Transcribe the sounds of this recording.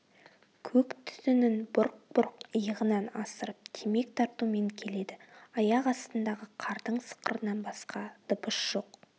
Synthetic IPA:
kʲʰɵkt̪ʰʏ̥zɪnɪnbʊɾq̚b̥ʊɾqəjəʁənɑnɑsəɾəp̚t̪ʰeme̞kt̪ʰɑɾt̪ume̞ŋkʲʰe̞le̞d̪ɪɑjɑqɑst̪ənd̪ɑʁəqʰɑɾd̪əɴsə̥qəɾənɑnbɑsqɑd̪̥ʊpəʃʒ̥o̞q

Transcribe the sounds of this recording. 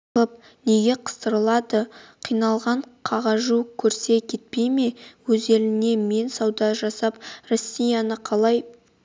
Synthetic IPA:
əp̚ | ne̞ɡʲe̞qʰə̥st̪əɾəlˠɑd̪əqʰijnɑlˠʁɑɴqʰɑʁɑʒukʲʰɵɾse̞kʲʰe̞t̪̚pejme̞wɵze̞lɪne̞me̞nsɑwd̪ɑʒɑsɑpro̞sʲːijɑnəqʰɑlˠɑj

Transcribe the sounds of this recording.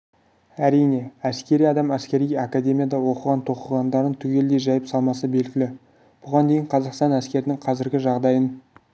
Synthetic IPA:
æɾijne̞æskʲe̞ɾijɑd̪ɑmæskʲe̞ɾijɑkad̪ʲe̞mijɑd̪ɑwo̞qəʁɑnt̪ʰo̞qəʁɑnd̪ɑɾənt̪ʰʏɡʲe̞ld̪e̞jʒɑjəpsɑlˠmɑsəbe̞lɡʲɪlɪ | b̥ʊʁɑnd̪e̞jɪɴqʰɑzɑqst̪ɑnæskʲe̞ɾɪnɪŋqʰɑzɪɾɡʲɪʒɑʁd̪ɑjən

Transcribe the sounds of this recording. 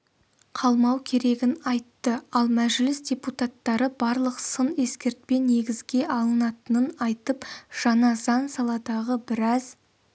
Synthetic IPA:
qʰɑlˠmɑwkʲʰe̞ɾe̞ɡʲɪnɑjt̪ːəɑlˠmæʒlɪsdʲe̞put̪at̪ːɑɾəbɑɾlˠəqsəne̞skʲe̞ɾt̪̚pe̞ne̞ɡʲɪzɡʲe̞ʔɑlˠənɑt̪ənənɑjt̪əpʒ̥ɑnɑzɑnsɑlˠɑd̪ɑʁəbɪɾɑz̥

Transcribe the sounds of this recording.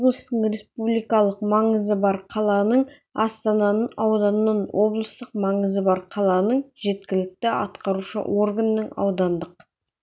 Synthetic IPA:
oblˠəst̪əɴɾe̞spublʲijkɑlˠəqmɑɴəzəbɑɾqʰɑlˠɑnəɴ | ɑst̪ɑnɑnəɑwd̪ɑnnɑnwʔo̞blˠəst̪əqmɑɴəzəbɑɾqʰɑlˠɑnəɴʒe̞t̪kʲɪlɪk̚t̪ɪɑ̰t̪qɑɾuʃə̰wʔo̞ɾɡənːəɴɑ̰wd̪ɑnd̪əq

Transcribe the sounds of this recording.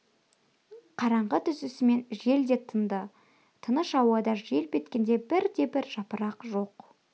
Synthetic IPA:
qʰɑɾɑɴʁət̪ʰʏsɪsɪme̞nʒe̞ld̪e̞t̪ʰənd̪ə | t̪ʰənəʃɑwɑd̪ɑʒe̞lpʰʲe̞t̪kʲe̞nd̪e̞bɪɾd̪e̞bɪɾʒ̥ɑpəɾɑqʒo̞q

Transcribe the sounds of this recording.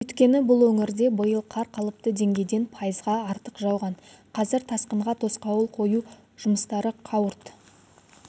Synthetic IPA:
wɵjt̪kʲe̞nɪbʊlˠwɵŋɪɾd̪e̞bəjəlˠqʰɑɾqʰɑlˠəp̚t̪əd̪e̞ŋɡʲe̞jd̪e̞npʰɑjəzʁɑɑɾt̪əqʒɑwˠʁɑnqʰɑzɪɾt̪ʰɑsqəɴʁɑt̪ʰo̞sqɑwəlˠqʰo̞ju | ʒ̥ʊməst̪ɑɾəqʰɑwəɾt̪

